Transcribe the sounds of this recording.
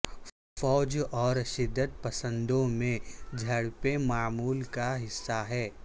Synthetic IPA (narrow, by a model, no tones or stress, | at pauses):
fɔːd͡ʒɔːɾʃɪd̪ːət̪̚pɐsə̃nd̪õmẽd͡ʒʱɐɽpemaːmuːlkaɦɪsːaɦɛː